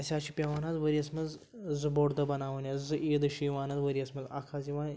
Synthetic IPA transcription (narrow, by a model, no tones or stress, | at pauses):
ɐsʲaːt͡ʃʰipʲɐʋaːnazʋɐɾiɐsmɐz | zɨboːɽd̪ɐbɐnaːʋɐnʲɐzɨʔiːd̪ɨʃiːʋaːnazʋɐɾiɐsmɐza̰kʰaːziʋaːn